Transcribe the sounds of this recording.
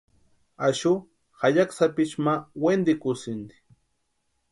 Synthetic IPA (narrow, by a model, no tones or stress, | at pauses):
aʃʊ | xaʎaksapɪt͡ʃmawend̪ɪkʊsɪnd̪i̥